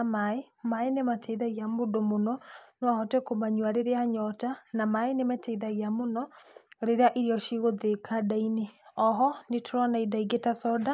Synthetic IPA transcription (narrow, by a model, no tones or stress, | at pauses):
amaemaenematʰɛiðaɣjamodomonɔneahɔtɛkomaɲwaɾeɾeaɲɔtanamaenemɛtɛiðaɣiamonɔɾeɾeaʔiɾeɔʃiɣoðekʰadaineɔɦɔnetʰoɾanaidaiɡetasɔda